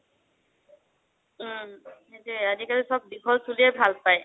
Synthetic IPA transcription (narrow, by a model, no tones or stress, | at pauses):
etuazikalisɔb̚dikʰɔlsuliɛbʱalpaj